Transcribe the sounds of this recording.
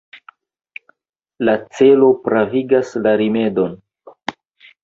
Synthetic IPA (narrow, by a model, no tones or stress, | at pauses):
lat͡se̞lo̞pɾaviɡaslaɾime̞do̞n